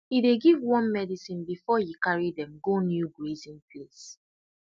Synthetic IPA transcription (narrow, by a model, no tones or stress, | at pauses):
ideɡivwɔ̃nmɛdisĩnbifɔjikaɹidɛ̃mɡonjuɡɹezĩnples